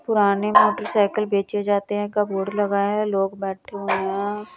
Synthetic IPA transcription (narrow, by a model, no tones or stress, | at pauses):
pʊɾaːnemoːʈəɾsaːɪkəlbeːt͡ʃed͡ʒaːt̪eɦɛ̃kaboːɖlɐɡaːeɛ̃loːɡbɛːʈʰeɦõeɦɛ̃ː